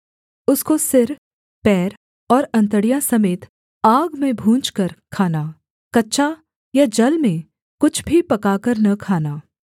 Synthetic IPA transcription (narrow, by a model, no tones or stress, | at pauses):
ʊskosɪɾ | pɛːɾ | ɔːɾɐ̃nt̪əɽijãsɐmeːt̪ | aːɡmẽbʱũːt͡ʃkəɾkʰaːnaː | kɐtːʃʰa | jad͡ʒɐlmẽ | kʊt͡ʃʰbʱipɐkaːkəɾnɐkʰaːnaː